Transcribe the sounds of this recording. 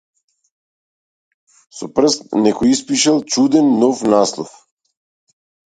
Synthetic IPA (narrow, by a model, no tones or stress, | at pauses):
sɔpr̩st̪nɛkɔispiʃɛlˠt͡ʃud̪ɛnːɔfnaslˠɔ̰f